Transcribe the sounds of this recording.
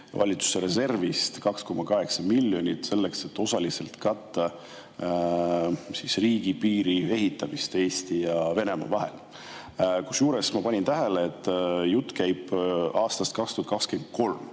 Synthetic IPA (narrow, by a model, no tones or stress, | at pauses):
vɑ̰lʲit̪su̥seɾe̞se̞rvist̪kɑksko̞mːɑkɑɦe̞ksɑmilʲːjo̞nʲit̪se̞lːe̞kse̞t̪ːˑo̞sɑlise̞lt̪kɑt̪ːɑ | sisriːɡ̥ipiːɾie̞ɦit̪ːˑɑmist̪e̞ːst̪ijɑve̞ne̞mɑ̰vɑɦḛl | kusjuːɾe̞smɑpɑnʲint̪æɦeleːt̪ːjut̪ːˑkæjb̥ɑːst̪ɑst̪̚kɑkst̪uhɑt̪̚kɑkskent̪̚ko̞lm